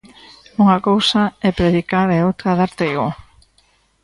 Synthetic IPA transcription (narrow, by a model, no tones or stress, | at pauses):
uŋakowsaɛpɾeðikaɾɛowt̪ɾaðaɾt̪iɣo